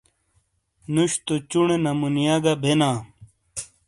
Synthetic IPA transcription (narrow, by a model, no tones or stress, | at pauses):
nuɕt̪ot͡ɕuɳenɐmunijaɡɐbʱenãː